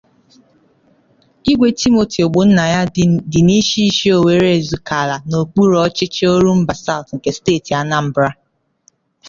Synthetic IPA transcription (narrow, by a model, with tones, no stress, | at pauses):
i˦ɡʷe˨ti˦mo˨tʰi˨o˨ɡ͡bʊ˨n̩˦na˨ja˦dɪ˨ni˦ʃi˦i˦ʃi˦o˨we˨ɾe˦˨zu˨ka˨la˨no˨k͡pu˦ɾɔ˦t͡ʃɪ˦t͡ʃe˦o˦ɾu˦m̩˦ba˨sa˦˨ʊ˨tŋ̩˨ke˦steː˦˨ti˨a˨na˦m̩˦bɾa˦